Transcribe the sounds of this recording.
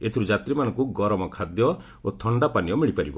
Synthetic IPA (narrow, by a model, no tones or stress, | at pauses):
et̪ʰiɾud͡ʒat̪ɾimanɔŋkuɡɔɾɔmɔkʰad̪jɔ | ot̪ʰɔɳɖapaniɔmiɭipaɾibɔ